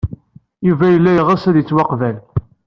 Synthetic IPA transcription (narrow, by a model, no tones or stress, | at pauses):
juvæjəlːæjəʁæsæðjət͡sːwɑqvæl